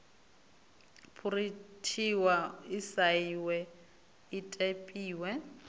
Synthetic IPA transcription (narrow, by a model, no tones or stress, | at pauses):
pʰuritʰiwaisaiwɛ | itʼepʼiːwɛ